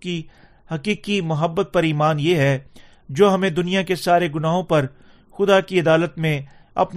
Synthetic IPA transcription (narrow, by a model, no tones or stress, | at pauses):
ki | hɐqiːkimʊɦəbːət̪̚pɐɾiːmaːnjeɦɛ | d͡ʒoːɦɐmẽd̪ʊnijakesaːɾeɡʊnaːɦõpɐɾ | xʊd̪akiɐd̪aːlət̪mẽ | ɐ̰pn